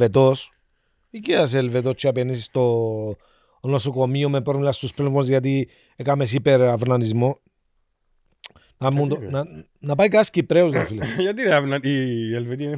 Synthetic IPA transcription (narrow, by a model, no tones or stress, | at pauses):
et̪os | icias̬elvet̪ost͡ʃːiɐpenisist̪o | nosokomiomepɾomilɐst̪usplevonzʝɐt̪̬i | ekamesipeɾɐvnɐnizmo | nɐmund̪on | nɐpajkascipɾeozðofilʝɐt̪ineavnɐnielvet̪i